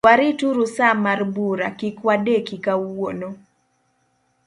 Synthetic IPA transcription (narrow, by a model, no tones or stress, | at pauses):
waɾituɾusamarbuɾakikwadekikawono